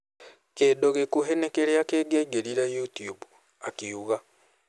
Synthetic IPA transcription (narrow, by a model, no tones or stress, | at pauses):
keːdoɣekuɦenekeɾeakeːɡeːɡeɾiɾajutiubu | akiuɣa